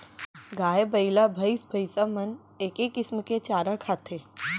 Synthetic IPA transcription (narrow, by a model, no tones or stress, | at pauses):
ɡaːebəilabʱəɪsbʱəjsamɐn | eːkekɪsmket͡ʃaːɾakʰaːt̪ʰe